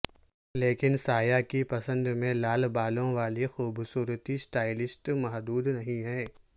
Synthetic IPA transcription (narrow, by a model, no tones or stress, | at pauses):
leːkɪnsaːjakipɐsə̃nd̪mẽlaːlbaːlõʋaːlixuːbsuːɾət̪isʈaːɪlɪsʈmɐɦd̪uːd̪nɐɦĩɦɛ̃ː